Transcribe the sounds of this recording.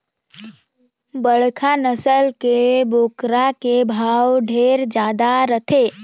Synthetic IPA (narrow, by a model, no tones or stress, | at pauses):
bəɽ̤kʰanəsəlkeboːkɾakebʱaːwɖʱeːɾd͡ʒjaːd̪aɾət̪ʰeː